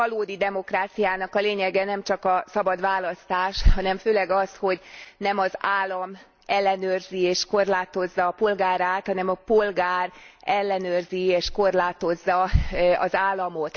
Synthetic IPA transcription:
ɒloːd̪id̪ɛmo̞kraːt̪sijaːnɒkɒleːɲɛɡɛnɛmt͡ʃɒkɒsɒbɒd̪ʋaːlɒst̪aːʃhɒnɛɱføːlɛɡɒsho̞ɟnɛmɒzaːlːɒm | ɛlːɛnøːrzieːʃko̞rlaːt̪o̞zːɒːpo̞lɡaːɾaːt̪hɒnɛmɒpo̞lɡaːrɛlːɛnøːrzieːʃko̞rlaːt̪o̞zːɒɒ̰zaːlːɒmo̞t̪

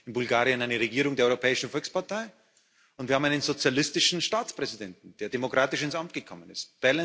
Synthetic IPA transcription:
ɪnbʊlɡaːʁiənaɪnəʁeɡiːʁ̞ʊŋdeɐɔʁopʰɛːɪʃn̩fɔlkspaɐtʰaɪ | ʊntviːɐam̩aɪnənzot͡sjalɪstɪʃn̩ʃtaːt͡spʁ̥ɛzidɛntn̩d̥eːɐdemokʁ̥aːtɪʃɪnsʔamt̚ɡ̥əkʰɔmənɪst̚b̥ɛlə

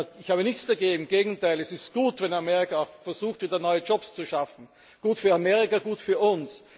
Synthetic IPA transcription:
ɪçhaːβənɪçt͡sd̥aɐɡeːɡŋ̩ŋmɡ̥eːɡŋ̩tʰaɪlɛsɪstɡ̥uːtvɛnamɛːʁɪkaaʊxfɛɐz̥uːxtviːdɐnɔʏəd͡ʒɔpst͡suʃafn̩ | ɡ̥uːtfyːɐamɛːʁɪkaɡuːtfyːɐʊns

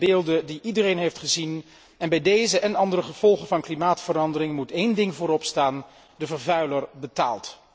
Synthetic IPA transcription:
beːlˠdədiʔidərejnɦejftχəzin | ɛnbɛjdejzəʔɛnɑndərəχəv̥ɔlˠχəvɑnklimaːtfəɾɑndərɪŋmutejndɪŋvʊːɾɔpstaːn | dəvəɹvœɥləɹbəta̰ːlˠt

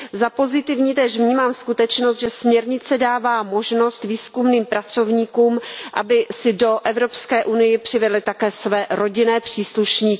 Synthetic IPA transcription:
zapo̞zɪt̪ɪvɲiːt̪ɛːʃvɲiːmaːmskut̪ɛt͡ʃnost̪ʒɛsmɲɛɾɲɪt͡sɛdaːvaːmo̞ʒno̞st̪viːskumniːmpɾat͡so̞vɲiːkuːmʔa̰bɪsɪdo̞ʔɛvɾo̞pskɛːʔunɪjɪpr̥ɪvɛdlɪt̪akɛːsvɛːɾo̞ɟɪnɛːpr̝̥iːsluʃɲiːk

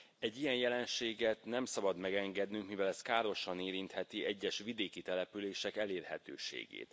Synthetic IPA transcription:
ɛɟːijɛnjɛlɛnʃeːɡɛt̪nɛmsɒbɒd̪mɛɡɛŋɡɛd̪nyŋkmivɛlɛskaːɾo̞ʃɒneːɾint̪hɛt̪iʔɛɟːɛʃʋid̪eːkit̪ɛlɛpyleːʃɛkɛleːrhɛt̪ø̰ːʃḛːɡḛːt̪

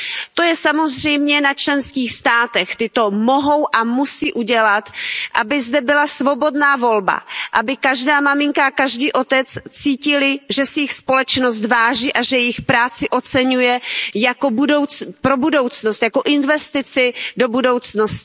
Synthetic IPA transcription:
t̪o̞jɛsamo̞zr̝ɛjmɲɛnat͡ʃlɛnskiːxst̪aːt̪ɛxt̪ɪt̪o̞mo̞ɦo̞wʔamusiːʔuɟɛlat̪ʔabɪzdɛbɪlasvo̞bo̞dnaːvo̞lba̰ʔabɪkaʒdaːmamɪŋkaakaʒdiːʔo̞t̪ɛt͡st͡siːcɪlɪʒɛsɛjɪxspo̞lɛt͡ʃno̞s̬t̪vaːʒiːʔaʒɛjɪxpɾaːt͡sɪʔo̞t͡sɛɲujɛjako̞budo̞wt͡spɾo̞budo̞wt͡snost̪jako̞ʔɪnvɛst̪ɪt͡sɪdo̞budo̞wt͡sno̞stɪ̥

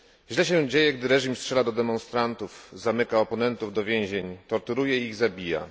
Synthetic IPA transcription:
ʑlɛɕɛ̃d͡ʑejɛɡd̪ɘɾɛʐimstʂɛlad̪ɔd̪ɛmɔ̃nst̪ɾant̪ufzamɘkaɔpɔnɛnt̪uvd̪ɔvʲjẽw̃ʑeɲt̪ɔɾt̪uɾujɛiiɣzabʲija̰

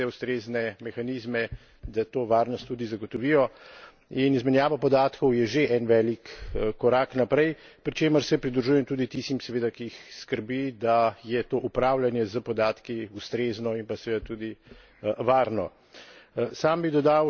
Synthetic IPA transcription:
ɛust̪ɾeːznɛmɛxaniːzmɛ | d̪at̪oːʋaːɾnɔst̪ːud̪izaɡɔt̪ɔʋiːjɔ | inizmɛnjaːʋapɔd̪aːt̪kɔwjɛʒeʔɛnʋɛlikːɔɾaknapɾɛjpɾit͡ʃeːməɾsɛpɾid̪ɾuʒujɛmt̪uːd̪it̪ist̪imsɛʋeːd̪akiixskəɾbid̪ajɛt̪oːʔupɾawlanjɛzəpɔd̪aːt̪kiust̪ɾeːznɔinpasɛʋeːd̪at̪uːd̪i | ʋaːɾnɔ | saːmbid̪ɔd̪aw

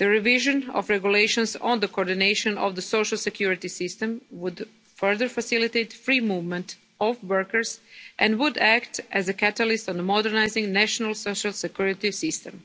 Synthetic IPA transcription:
d̪̥əɾɛʋiʒõnɔ̰fɾɛɡjuleɪʃõnsõ̰nd̪əkooːɾd̪inejʃõnɔ̰ʋd̪əsoʊʃalˠsekjuɾit̪isɪst̪ɛ̃mwud̪ | fɜɹðəɾfasilit̪ejt̪fɾiːmuːvmɛ̃nt̪ | ɔfwəɹkəɹsʔɛ̃ndwud̪ækt̪æzəkæt̪alɪst̪ɔ̃nmɔdɛɾnajzɪ̃ŋɡnæʃonalˠsoʃalˠsekjuɹit̪isɪst̪ɛ̰̃m

